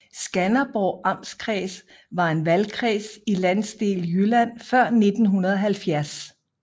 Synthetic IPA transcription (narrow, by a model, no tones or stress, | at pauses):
sɡ̥ænɐb̥ɒɑ̈m̰skʰʁɛ̰ːs | ʋɑ̈e̝nʋælkʰʁḭːsilæn̰sd̥e̝̰ːl̩jølæn̰fɶɐ̰ne̝d̥n̩ɦunɐð̞ˠɒ̽ɦælfjæɐs